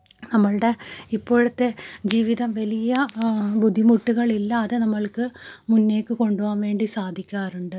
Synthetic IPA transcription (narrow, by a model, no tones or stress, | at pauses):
nɐmːɐɭɨɽe̞ipːo̞ːɻut̪ːe̞d͡ʑiːʋiðɐmʋɐlijɐbud̪ʱimuʈːuɣɐɭilːɐːðɨnɐmːɐɭkɨmunːe̞ːkːɨko̞ɳɖuʋaːnʋe̞ːɳɖisaːd̪ʱikʲːaːɾuɳɖɨ